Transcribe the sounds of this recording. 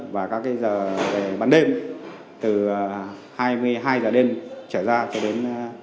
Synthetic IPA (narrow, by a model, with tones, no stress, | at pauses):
vaː˨˩kaː˨˦˥k̚ːaː˨˦jzəː˨˩ve˨˩ɓaː˨˩nɗe˧m | t̪ɨ˨˩haː˧jmɨ˧əjɦaː˧jzəː˨˩ɗe˧mt͡ɕəː˧˩zaː˧t͡ɕɔ˧ɗe˨˦n